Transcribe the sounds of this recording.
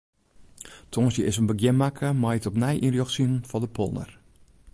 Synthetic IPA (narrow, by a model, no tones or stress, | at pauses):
tʰonsjəʔɪsənbəɡjɪnmakʰəmajətɔpnɛjʔinrjoxsinn̩fɔdəpʰo̰lˠnə̰r